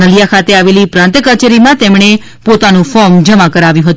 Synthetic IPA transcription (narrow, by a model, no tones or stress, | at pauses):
əlijakʰat̪eaʋelipɾãnt̪əkət͡ʃeɾimãt̪ɛmɳe | pot̪anũfɔɾmd͡ʒəmakəɾaʋjũɦət̪ũ